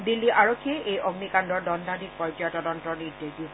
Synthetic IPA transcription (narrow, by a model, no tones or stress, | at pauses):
dilːiʔaɹokʰːieʔejʔɔɡnikandɔɹdɔnd̪ʱadʱik̚pɔjd͡ʒajtɔdɔntɔɹnideɡi